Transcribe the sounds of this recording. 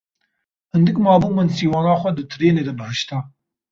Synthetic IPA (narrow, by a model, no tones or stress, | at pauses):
hɨnd̪ɨkmɑːbumɨnsiːwɑːnɑːxʷɛd̪ɨt̪ʰɨɾeːneːd̪ɛbɨhɨʃt̪aː